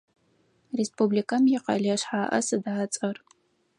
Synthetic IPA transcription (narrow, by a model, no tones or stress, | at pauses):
respublikʰɐmjɪqɐ̰ɮɐɕħaːʔɐ̰sɨdaːt͡sʼɐr